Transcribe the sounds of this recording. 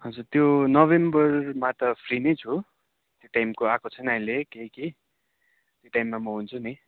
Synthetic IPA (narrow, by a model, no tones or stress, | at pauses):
ɦʌnd͡zurt̪jonʌbembʌrmat̪ʌpʰrinejt͡sʰu | t̪joʈajmkoakʰot͡sʰʌnaɦĩlekeɦki | t̪joʈajmːamʌɦunt͡sʰuni